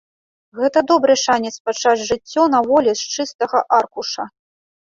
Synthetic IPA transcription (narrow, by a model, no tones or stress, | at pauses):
ɣɛt̪ɐd̪ɔbɾɨʂanʲɛt̪spat͡ʂad͡zʲʐɨt͡sʲːɔnɐvɔlʲɛst͡ʂɨst̪ɐɣɐʔarkuʂɐ